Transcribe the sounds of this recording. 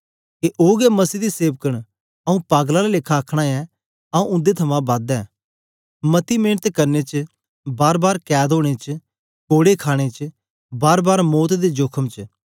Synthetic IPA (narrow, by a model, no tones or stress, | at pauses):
keʔoːɡɛmɐsiːd̪iseːʋkəɽ̃ | ɐũpaːɡlalalɪkʰːaːkʰɽ̃ãɛ | ɐũʔʊ̃nd̪et̪ʰɐmãbad̪ɛː | mɐt̪imẽːnət̪kɐɾnet͡ʃ | baːɾbaːɾkɛːd̪oːɽ̃et͡ʃ | koːɽekʰaːɽ̃et͡ʃ | baːɾbaːɾmoːt̪d̪ed͡ʒoːkʰəmt͡ʃ